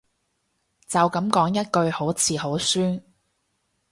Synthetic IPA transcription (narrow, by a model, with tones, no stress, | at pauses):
t͡sɐ˨wkɐ˨˥mkɔː˨˥ŋjɐ˥t̚kɵ˧ɥho˨˥wt͡sʰiː˨˧ɦo˨˥wsyː˥n